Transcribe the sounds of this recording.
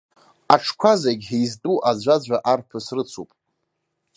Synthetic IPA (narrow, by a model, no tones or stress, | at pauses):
aʈ͡ʂʰkʷʰazaɡʲejztʼuʔad͡ʒʷad͡ʒʷaʔarpʰɨsrɨt͡sʰupʼ